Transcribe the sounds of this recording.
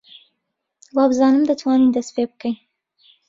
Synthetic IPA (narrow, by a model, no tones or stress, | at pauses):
wɑbzɑnəmd̪ət̪wɑnid̪aspeb̚kəj